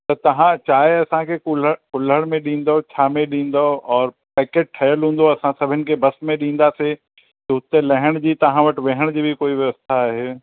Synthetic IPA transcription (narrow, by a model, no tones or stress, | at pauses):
t̪ɐt̪ɐɦãt͡ɕaːɦeɐsãkʰekʊləkʊləɽmẽɗĩːn̆d̪ot͡ɕʰaːmẽɗĩːn̆d̪oɔːɾpɛːkeːʈ̚ʈʰɐjəlɦũːn̆d̪oɐsãsɐbʱɪnɪ̆kʰebɐsmẽɗĩːn̆d̪ase | t̪ɐʊt̪elɐɦɪɽ̃d͡ʑiːt̪ɐɦãʋɐʈʋeɦəɽ̃d͡ʑiːbʱikoːiʋjɐʋəst̪ʰaːɦeː